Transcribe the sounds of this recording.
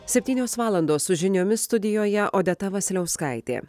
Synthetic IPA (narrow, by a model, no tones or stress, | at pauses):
sʲɛpʲt̪ʲiːnʲoːsʋɑːlˠɐnd̪oːsʊʒʲɪnʲoːmʲɪst̪ʊd̪ʲɪjoːjɛʔoːd̪ʲɛt̪ɐʋɐsʲlʲɛʊskɐɪt̪ʲḛː